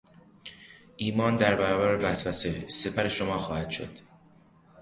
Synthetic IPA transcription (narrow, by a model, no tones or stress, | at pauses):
ʔiːmɒːnd̪æɾbæɾɒːbæɾevæsvæsese̞pʰæɾeʃomɒːxɒːhæd̪ʃo̰d̪̥